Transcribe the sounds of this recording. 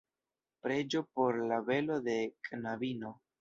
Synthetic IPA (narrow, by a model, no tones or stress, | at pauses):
pɾe̞d͡ʒo̞po̞ɾlave̞lo̞de̞kʼnavino̞